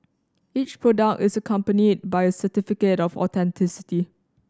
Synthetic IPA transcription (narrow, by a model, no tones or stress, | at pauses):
it͡ʃpʰɹodak̚tɪsəkʰãmpənid̚bajəsətifikətɔfɔ̰tʰɛ̃ntʰɪsɪti